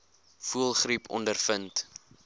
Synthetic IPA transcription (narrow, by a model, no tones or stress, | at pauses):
fuəlˠχripʰɔ̰ndərfənt